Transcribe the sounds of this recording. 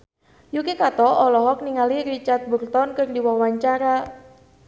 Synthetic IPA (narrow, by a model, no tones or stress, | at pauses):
jukekat̪ɔɔlɔɦɔk̚niŋalirit͡ʃart̪̚burt̪ɔnkɨrdiwawaɲt͡ʃaɾa